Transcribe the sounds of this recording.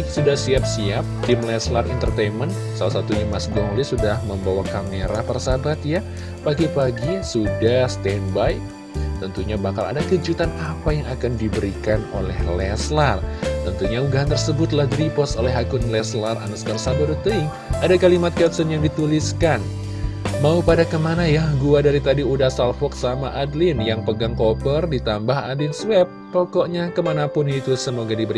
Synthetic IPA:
sudahsiap̚siap̚t̪ɪmlɛslarḭnt̪ərt̪ejnmən | salasat̪ujumasdɔŋlisudahməmbawakameɾapərsabat̪ja | paɡipaɡisudahst̪ɛnbaj | t̪ənt̪uɲabakala̰dakəd͡ʒut̪anapajaŋakandibəɾikano̰lɛ̰hlɛslart̪ənt̪uɲauɡaɦant̪ərsəbʊt̪lahdɾipɔsolɛɦakʊnlɛslara̰naskərsabadut̪əiŋ | adakalimat̪̚kɛpsɔnjaŋdit̪uliskan | maupadakəmanajahɡuadaɾit̪adiudasalfɔk̚samaʔadlɪnjaŋpəɡaŋkopərdit̪ambahadlɪnswɛp̚t̪okɔʔɲakəmanapʊnit̪usəmoɡadibəɾi

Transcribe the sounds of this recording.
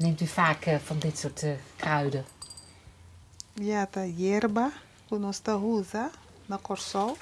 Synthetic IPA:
nemtyfaːkfɔndɪtsortkrœɥdə | jatajɛrba | kunɔst̪aɦuza | nɐkɔrsɔw

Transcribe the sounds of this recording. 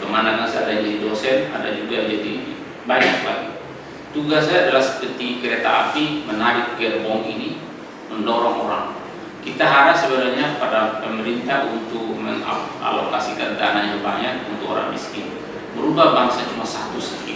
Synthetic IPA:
təmanakasaadad͡ʒadidosɛna̰da̰d͡ʒuɡad͡ʒadi | baɲaklaɡi | t̪uɡasaːdalahsə̥pət̪ikəɾet̪aːpimənaɾɪt̪̚kərbɔŋini | məndoɾɔŋoɾa̰ŋ | kit̪aɦaɾasəbəɾaɲapadapəməɾint̪aɦunt̪ʊk̚məŋa̰a̰lo̰kasikand̪anad͡ʒəbaŋanunt̪ʊkoɾa̰ŋmḭskɪn | məɾubahbaŋsat͡ʃumasat̪ʊsa

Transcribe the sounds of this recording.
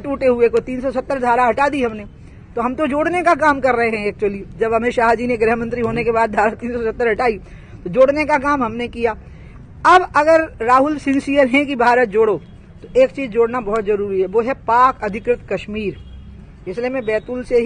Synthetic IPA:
ʈuːʈeɦʊekot̪iːnsɔsɐt̪ːəɾd̪ʱaːɾaɦɐʈaːd̪iɦɐmne | t̪oɦɐmt̪od͡ʒoːɽnekakaːmkɐɾːɐɦeɦɛ̃ɛːk̚t͡ʃuwəlid͡ʒɐbɦɐmẽʃaːɦd͡ʒineɡɾɦmə̃nt̪ɾiɦoːnekebaːd̪̚bʱaːɾət̪ːiːnsɔsɐt̪ːəɾɦɐʈaːi | t̪od͡ʒoːɽnekak̬aːmɦɐmnekijaː | ɐbɐɡəɾːaːɦʊlsɪ̃nsijəɾɦɛ̃kibʱaːɾət̪̚d͡ʒoːɽo | t̪oʔeːkt͡ʃiːzd͡ʒoːɽnabɐɦɔt̪zɐɾuːɾiɦɛʋoːɦɛpaːkɐd̪ʱɪkɾɪt̪kɐʃmiːɾ | ɪslemẽbɛːt̪ʊlseɦ

